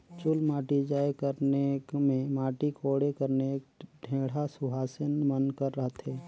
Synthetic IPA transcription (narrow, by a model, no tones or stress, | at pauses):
t͡ʃʊlmaːʈid͡ʒaːjekəɾnekmẽmaːʈikʰoːɽekəɾnekɖʱẽːɽ̤asʊɦaːsənmənkəɾːəɦt̪ɦɛː